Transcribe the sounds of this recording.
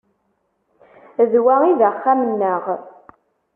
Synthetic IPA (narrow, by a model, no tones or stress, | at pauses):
ðwæiðæχːæmənːəʁ